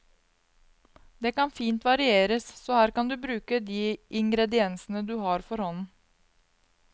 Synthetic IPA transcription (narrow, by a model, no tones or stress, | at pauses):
d̪eːkɑnfiːnt̪ʋɑɾɪeːɾəssoːhæːɾkɑnd̪ʉːbɾʉːkəd̪iːʔɪŋɡɾɛd̪ɪɛnsən̩əd̪ʉːhɑːɾfɔɾhɔnn̩